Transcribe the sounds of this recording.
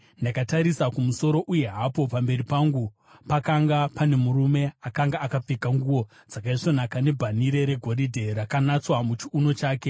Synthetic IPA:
ndakataɾisakumuso̞ɾo̞ʔuje̞ɦapo̞pambe̞ɾipaŋɡu | pakaŋɡapane̞muɾume̞akaŋɡaakap͡fekaŋɡuwo̞ | d͡zakaiʂo̞nakane̞bʱaniɾe̞ɾe̞ɡʱo̞ɾidʱe̞ɾakanat͡swamut͡ʃiuno̞t͡ʃaːke̞

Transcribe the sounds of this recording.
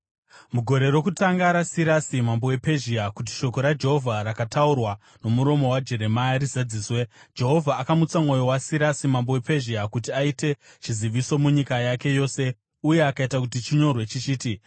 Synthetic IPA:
muɡʱo̞ɾe̞ɾo̞kutaŋɡaɾasiɾasimambo̞wepe̞ʒiakut̬i̥ʃo̞ko̞ɾad͡ʒe̞ɦo̞vʱaɾakataurwa | no̞muɾo̞mo̞wad͡ʒe̞ɾe̞majaɾizad͡ziːswe̞d͡ʒe̞ɦo̞vʱaːkamut͡samŋo̞jo̞wasiɾasimambo̞we̞pe̞ʒiakutiaite̞ | t͡ʃiziʋiso̞muɲikajake̞jo̞ːse̞ | uje̞akaitakutit͡ʃiɲo̞rwe̞t͡ʃit͡ʃiːti

